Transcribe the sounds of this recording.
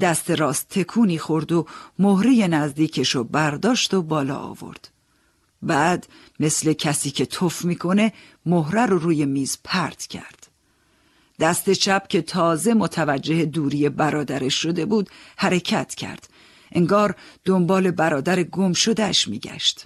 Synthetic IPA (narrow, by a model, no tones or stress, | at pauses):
d̪æst̪e̞ɾɒːst̪ʰːe̞kʰuːniːxo̞ɾd̪o̞mohɾije̞næzd̪iːcʰe̞ʃɔbæɾd̪ɒːʃt̪o̞bɒːlɒ̰ːɒ̰ːvo̞̰ɾd̪̥ | bæːd̪ | me̞sle̞cʰæsiːcʰe̞t̪ʰofmiːkʰo̞ne̞ | moɦɾæɾoɾuːje̞miːzpʰæɾt̪ʰcʰæ̰ɾd̪̥ | d̪̥æst̪e̞t͡ʃʰæp̚cʰe̞t̪ʰɒːze̞mot̪ʰævæd͡ʒːe̞hed̪uːɾije̞bæɾɒːd̪æɾeʃːo̞d̪e̞buːd̪̥hæɾe̞cʰæt̪ʰcʰæ̰ɾd̪̥ | ʔe̞ŋɡɒːɾd̪̥ombɒːle̞bæɾɒːd̪æɾe̞ɡo̞mʃo̞d̪æʃmḭːɟæ̰ʃt̪